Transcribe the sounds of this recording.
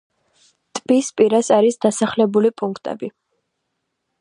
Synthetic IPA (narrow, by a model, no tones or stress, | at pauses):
t̪ʼb̥ispʼiɾasaɾisd̪̥asaχlɛbulipʼuŋkʰt̪ʼɛ̰bi